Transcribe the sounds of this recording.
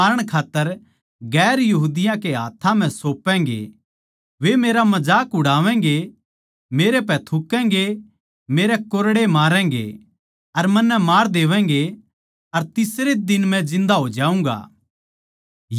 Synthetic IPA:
ɾəɽ̃kʰaːt̪ːəɾ | ɡɛːɾjɐɦuːd̪ɪjãkeɦaːt̪ʰːãm̤ɛ̃soːpːɛ̃ːŋɡḛ | ʋemeːɾamɐd͡ʒaːkɦʊɽaːʋɛ̃ːŋ̆ɡe | meːɾep̬ɛ̃t̪ʰʊkːɛ̃ːŋɡe | meːɾɛkoɾɽemaːɾɛ̃ːŋ̆ɡḛ | ɐɾmɐnːɛmaːɾd̪eːʋɛ̃ːŋ̆ɡe | ɐɾt̪ɪsɾed̪ɪnmɛ̃d͡ʒɪ̃nd̪aɦod͡ʒaːũːŋɡa̰ː | j

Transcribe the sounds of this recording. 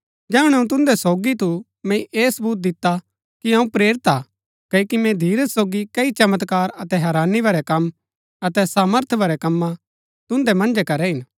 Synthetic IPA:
d͡ʒɛːũɽ̃ɛũt̪ʊ̃nd̪ɛsoːɡit̪ʰu | mɛ̃iʔeːsɐbuːt̪̚d̪ɪt̪ːa | kiɐ̃ũpɾeːɾɪt̪aː | kɐkimɛ̃d̪ʱiːɾəssoːɡikɐit͡ʃɐmət̪kaːɾɐt̪ɛɦɛːɾaːnːibɐɾɛkɐm | ɐt̪ɛsaːməɾt̪ʰbʱɐɾɛkɐmːã | t̪ʊ̃nd̪ɛmɐ̃nd͡ʒɛkɐɾɛɦɪn

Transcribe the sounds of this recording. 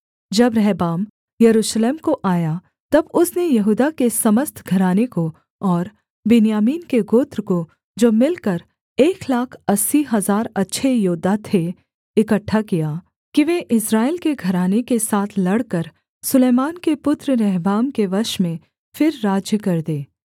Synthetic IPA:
d͡ʒɐbɾɛɦbaːm | jɐɾuːʃleːmkoʔaːja | t̪ɐbʊsnejɐɦuːd̪akesɐməst̪ʰɡʱɐɾaːneko | ɔːɾ | bɪnijaːmiːnkeɡoːt̪ɾko | d͡ʒoːmɪlkəɾ | eːklaːkʰɐsːiɦɐzaːɾɐtːʃʰejoːd̪ʱat̪ʰe | ɪkəʈʰːakijaː | kiʋeʔɪsɾaːelkeɡʱɐɾaːnekesaːt̪ʰlɐɽkəɾ | sʊleːmaːnkepʊt̪ɾɾɛɦbaːmkeʋɐɾʃmẽ | fɪɾːaːd͡ʒjəkɐɾd̪eː

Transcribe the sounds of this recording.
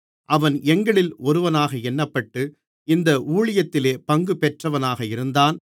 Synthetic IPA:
ʔɐʋɐnɛŋɡɐɭɪlɔɾɯʋɐnaːɣɐɛnːɐpːɐʈːɯ | ɪnd̪ɐʔuːɭɪjɐt̪ːɪleːpɐŋɡɯpɛʈrɐʋɐnaːɣɐɪɾɯnd̪aːn

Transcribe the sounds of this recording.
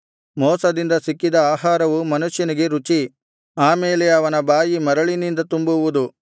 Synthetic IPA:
mɔːsɐd̪ind̪ɐsikːid̪ɐaːɦaːɾɐʋumɐnuʂjɐniɡe̞ɾut͡ʃi | aːmeːlɛɐʋɐnɐbaːjimɐɾɐɭinind̪ɐt̪umbuʋud̪u

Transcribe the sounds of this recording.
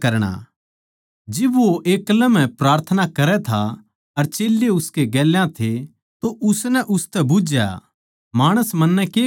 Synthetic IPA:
kɐɾɽ̃a̰ | d͡ʒɪbʋoʔeːklə̃mɛ̃pɾaːɾt̪ʰənakɐɾɛt̪ʰa̰ | ɐɾt͡ʃeːljeʊskeɡɛːljãt̪ʰe | t̪oʔʊsnɛʔʊst̪ɛbʊd͡ʒja̰ | maːɽ̃əsmɐnːɛkeː

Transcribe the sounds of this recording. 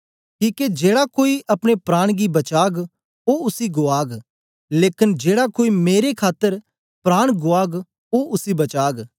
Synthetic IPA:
kiːked͡ʒeːɽakoːiʔɐpɽ̃epɾaːɽ̃ɡibɐt͡ʃaːɡ | oʊsiɡʊaːɡ | leːkɪnd͡ʒeːɽakoːimeːɾekʰaːt̪ːəɾ | pɾaːɽ̃ɡʊaːɡ | oʔʊsibɐt͡ʃaːɡ

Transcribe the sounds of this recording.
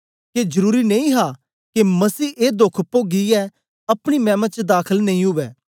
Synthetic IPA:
ked͡ʒɐɾuːɾinɐĩɦa | kemɐsiːʔeːd̪okʰpoɡiɛ | ɐpɽ̃imɛ̃ːmət͡ʃd̪aːkʰəlnɐĩɦʊʋɛː

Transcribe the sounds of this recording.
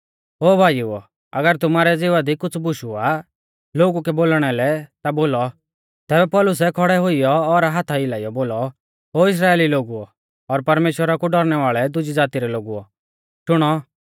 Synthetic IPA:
oːbʱaːjuɔ̰ | ɐ̰ɡəɾt̪ʊmaːɾɛd͡zɪʋad̪ikʊt͡sʰbʊʃua | loːɡukɛboːlɽ̃ɛlɛt̪aboːlɔ | t̪ɛːbɛpɔːlʊs̬ɛkʰɔɽɛɦʊijɔɔɾaɦat̪ʰaɪlaːijɔboːlɔ | ɦoːɪs̬ɾaːeːliloːɡuɔ | ɔɾpɐɾmeːʃwəɾakuɖɔɾɽ̃ɛʋaːɭɛd̪ʊd͡ʒid͡zaːt̪iɾɛloːɡuɔ̰ | ʃʊɽ̃ɔ

